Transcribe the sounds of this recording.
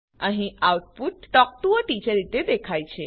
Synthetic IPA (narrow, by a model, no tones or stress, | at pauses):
əɦĩawʈ̚puʈ̚ːɔk̚t̪uoʈid͡ʒəɾit̪ed̪ekʰajt͡ʃʰe